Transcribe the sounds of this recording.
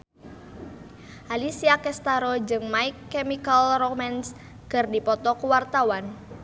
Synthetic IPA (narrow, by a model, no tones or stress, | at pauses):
ʔalisiakɛst̪aɾod͡ʒɨŋmaikːemikalrɔk̚mɛns | kɨrdipɔt̪ɔkuwart̪awan